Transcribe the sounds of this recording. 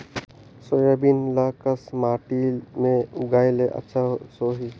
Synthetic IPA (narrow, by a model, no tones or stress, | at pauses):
sojabiːnlaːkəsmaːʈimẽʊɡaːjleʔə̰tːʃʰasoːɦi